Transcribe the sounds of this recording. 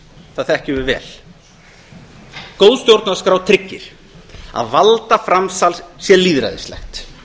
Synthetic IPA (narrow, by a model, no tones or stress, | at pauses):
θaθɛhcɪvʏɾvɛ̰ːl | kowðst̪jowɾt̪naskɾaːwt̪ʰɾɪcːɪ̰ɾ̥ | a̰ðvalt̪afɾamsalsjɛliːðɾa̰ðɪ̰st̪ɛ̰xt̪